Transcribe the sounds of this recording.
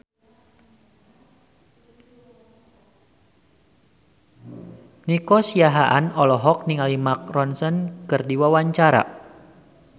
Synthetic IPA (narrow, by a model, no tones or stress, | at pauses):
nikɔsiaɦaʔanɔlɔɦɔk̚niŋalimak̚rɔnsənkɨrdiwawaɲt͡ʃaɾa̰